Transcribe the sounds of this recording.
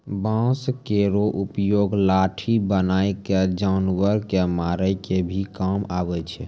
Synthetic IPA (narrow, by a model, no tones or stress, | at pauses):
bãskeɾoʔupjoɡlaʈʰibənajked͡ʒanʋəɾkemaɾəjkebʱikamabɛt͡ʃʰɛ